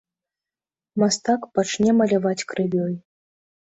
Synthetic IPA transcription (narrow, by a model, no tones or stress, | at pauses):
mast̪akpat͡ʂnʲɛmɐlʲavat͡sʲkɾɨvʲɔj